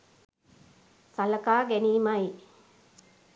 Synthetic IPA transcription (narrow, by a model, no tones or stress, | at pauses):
saləkaːɡæniːmaji